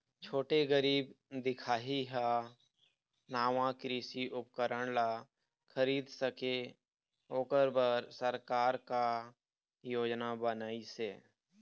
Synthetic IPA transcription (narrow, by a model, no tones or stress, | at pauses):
t͡ʃʰoːʈeɡəɾiːbd̪ɪkʰaːɦiɦa | naːʋãkɾiːsiʔʊpkəɾəɽ̃la | kʰəɾiːd̪səke | oːkəɾbəɾsəɾkaːɾka | joːd͡ʒnabənaːiseː